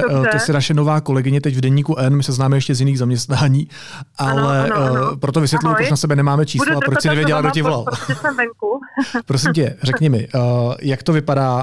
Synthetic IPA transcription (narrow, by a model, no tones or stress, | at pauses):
t̪osɛnaʃɛno̞vaːko̞lɛɡɪɲɛt̪ɛcvdɛɲiːkuʔɛnmɪsɛznaːmɛjɛʃcɛzjɪniːɣzamɲɛst̪naːɲiː | ʔalɛpɾo̞t̪oɪsʋjɛt̪lujʊpɾot͡ʃnasɛbɛnɛmaːmɛt͡ʃiːsslsaapɾosɪnɛvjɛɟɛlaɡdocɪvolalɛŋkupɾo̞s̬ɪmc̬ɛrɛkɲɛmɪjakt̪o̞vɪpadaː